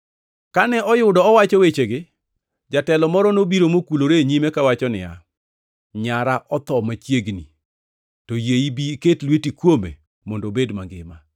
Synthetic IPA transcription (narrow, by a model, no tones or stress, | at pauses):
kanɛʔɔjʊdɔɔwat͡ʃɔwet͡ʃeɡɪ | d͡ʒatɛlɔmɔɾɔnobiɾomokuloɾeɲimekawat͡ʃɔnɪ̰ja̰ | ɲaɾaʔɔt̪ɔmat͡ʃjeɡnḭ | tɔjeibiketlwetikwomḛ | mɔndobedma̰ŋɡɪ̰ma